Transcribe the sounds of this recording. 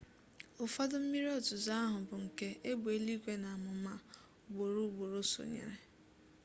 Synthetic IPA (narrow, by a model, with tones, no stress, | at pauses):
ʊ˨fa˦dʊ˦m̩˦mi˦ɾi˦ɔ˦tʊ˨za˦a˦ɦʊ˨bʊ˨ŋ̩˨ke˦e˦bu˨e˦li˦kʷe˦na˨a˨mʊ˨˦ma˦˨ | ɡ͡bo˨ɾu˦ɡ͡bo˨ɾo˦so̰˨ɲḛ˨ɾe˨